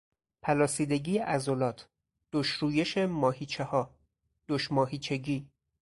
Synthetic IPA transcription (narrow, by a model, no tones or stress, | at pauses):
pʰælɒːsiːd̪e̞ɟiːʔæzolɒːt̪ʰ | d̪̥oʃɾuːje̞ʃemɒːhiːt͡ʃʰehɒː | d̪̥oʃmɒːɦiːt͡ʃʰe̞ɟiː